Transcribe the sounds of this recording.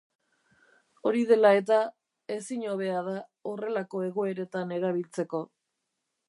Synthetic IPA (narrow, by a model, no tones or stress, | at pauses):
o̞ɾiðe̞lae̞t̪a | e̞siɲo̞βe̞að̞aore̞lako̞e̞ɣo̞e̞ɾe̞t̪ane̞ɾaβ̞ilt͡se̞ko̞